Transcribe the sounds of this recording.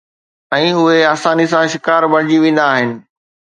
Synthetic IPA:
ɛ̃ːʊɦeaːsaːnis̬ãʃɪkaːɾbɐɽ̤̃d͡ʑiʋẽːn̆d̪aːɦɪnɪ̆

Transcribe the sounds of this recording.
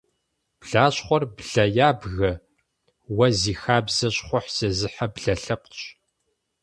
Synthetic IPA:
b̥ɮaːɕχʷɔrbɮɐjaːbɣɐ | wɐziːxaːbzɐɕχʷʊħz̥ɐzɨħabɮɐɬɐp̚ɕ

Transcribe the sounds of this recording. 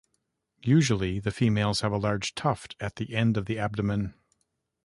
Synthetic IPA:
jʉʒl̩ˠiðɨfimeɪlˠz̥ɨvəlɑɹd̥ʒ̥tʰʌftʰɨt̪̚ðiʔɛ̃ndʌvðiæb̚dɨmɨ̃n

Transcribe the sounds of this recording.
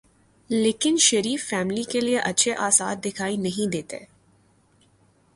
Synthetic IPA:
leːkɪnʃɐɾiːfːɛːmlikelieʔɐtːʃʰeʔaːsa̰ːɾd̪ɪkʰaːinɐɦĩd̪eːt̪ḛ

